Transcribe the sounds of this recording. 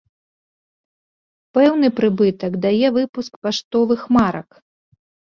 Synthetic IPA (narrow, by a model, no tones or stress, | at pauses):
pɛwnɨpɾɨbɨt̪ɐkd̪ajɛvɨpuskpaʂt̪ɔvɨxmaɾɐ̰k